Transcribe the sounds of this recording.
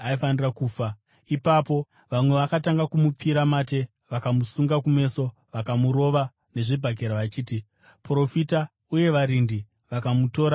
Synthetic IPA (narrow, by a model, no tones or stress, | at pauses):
aifanirakuːfa | ipapo̞ | ʋamwe̞ʋakataŋɡakumup͡fiɾamate̞ | ʋakamusuŋɡakume̞ːso̞ | ʋakamuɾo̞ʋa | ne̞ʐibʱaɡʱeɾaʋat͡ʃiːti | pro̞fita | uje̞ʋaɾindi | ʋakamuto̞ːɾa